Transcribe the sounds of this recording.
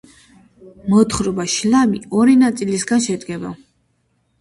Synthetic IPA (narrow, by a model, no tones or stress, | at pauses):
mɔt̪χɾɔbaʃlamiɔɾinat̪sʼilisɡanʃɛd̪ɡɛba̰